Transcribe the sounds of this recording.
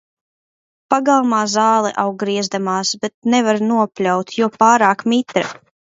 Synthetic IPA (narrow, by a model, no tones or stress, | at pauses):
paɡalˠmaːzaːlˠɛ̰ʔawɡɾiɛzd̪amaːsbɛt̪̚nɛvaɾnuɔpʲlʲawt̪juɔpaːɾaːkmit̪ɾɛ